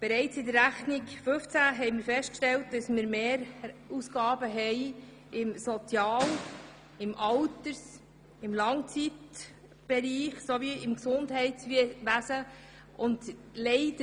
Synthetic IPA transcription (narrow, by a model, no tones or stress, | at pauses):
b̥ɛɾɛɪt͡sɪdəɾːæχnɪɡfɵft͡sæɦɛɪmɪɾfɛstkʃtɛlt̚dɑsmiɾmeːɾusɡ̥ɑːbəɦɛɪ | ɪmsot͡sjɑːl | ɪmʔɑltəɾs | ɪmlɑŋt͡sit | b̥ɛɾiːχsoviɪmksʊndɦɛɪtsʋæsə | ʔʊndlɛɪdə